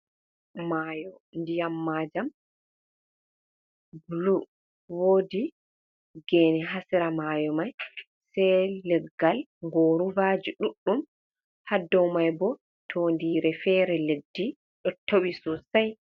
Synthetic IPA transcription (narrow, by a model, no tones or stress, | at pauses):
majɔndijamːaːd͡ʒam | bulu | woːdi | ɡɛːnɛɦasiɾamajɔmaj | sɛjlɛɡːalŋɡoːɾuvad͡ʒiɗuɗːum | hadːɔwmajbɔ | tʰondiɾɛfɛɾɛledːi | ɗɔtʰowisɔsaj